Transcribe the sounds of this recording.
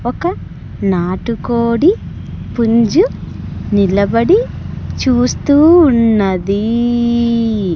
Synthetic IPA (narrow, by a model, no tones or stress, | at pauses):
ɔkɐ | naːʈukoːɽi | puɲd͡ʒu | nilɐbɐɽi | t͡ʃuːst̪uːnːɐd̪i